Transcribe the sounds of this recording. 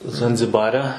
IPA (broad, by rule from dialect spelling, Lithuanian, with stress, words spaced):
zɐnʲzʲɪˈbɑːrʲɛ